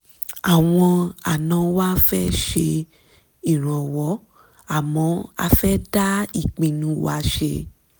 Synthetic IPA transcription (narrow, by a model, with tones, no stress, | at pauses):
a˨w̃ɔ̃˧a˨nã˨˦wa˦fɛ˦ʃe˧ | i˨ɾ̃ã˨wɔ˨˦ | a˦˨mɔ̃˨˦a̰˧fɛ˦da˦i˦˨k͡pĩ˨nũ˧˦wa˦ʃḛ˧